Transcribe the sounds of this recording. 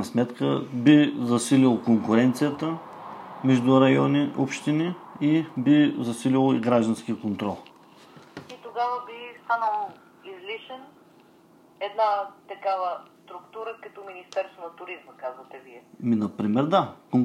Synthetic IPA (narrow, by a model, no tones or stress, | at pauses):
ɐsmɛt̪kəbizɐsililˠokoŋkʊɾɛnt̪sijət̪ə | mɛʒd̪ʊɾɐjɔniʔopʃt̪iniibizɐsililˠoiɡɾaʒd̪ɐnskʲikont̪ɾɔlˠ | it̪oɡavəbist̪anəlˠo | izliʃɛn | ɛd̪nat̪ɐkavəst̪ɾʊkt̪uɾəkɐt̪ɔminist̪ɛɾst̪vonɐt̪ʊɾizməkazvət̪ɛviɛminɐpɾimɛɾd̪akoŋ